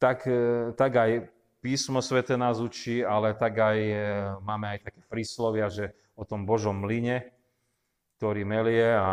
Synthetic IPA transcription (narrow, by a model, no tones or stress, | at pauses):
t̪akt̪aɡaj | piːsmɔsʋɛt̪ɛːnaːzut͡ʃiːalɛt̪aɡajmaːmɛajt̪akɛ̥ːfɾislɔʋɪaʒɛ | ɔt̪ɔmbɔʒɔmːliɲɛ | k̚t̪ɔɾiːmɛljɛa